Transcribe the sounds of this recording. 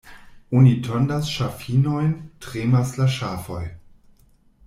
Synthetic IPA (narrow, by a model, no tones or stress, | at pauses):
onitʰɔndasʃafinojntʁeːmaslaʃaːfoj